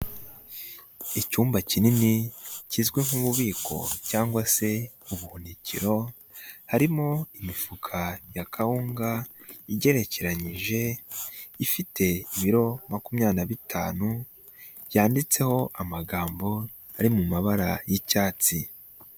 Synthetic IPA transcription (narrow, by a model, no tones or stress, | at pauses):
icuːmbacininicizɡweŋ̥uβuβiːko̞̰caːŋɡwase̞ | uβuhunicḭɾo̞ | haɾimo̞imifukʰajakʰahuːŋɡaiɟe̞ɾe̞ce̞ɾaɲiʒe̞ | ifitʰe̞iβiɾo̞makumɲaːnaβitʰa̰ːnu | jaːndit͡se̞ho̞ʔamaɡaːmbo̞ | aɾimumaβaɾajicaːt͡si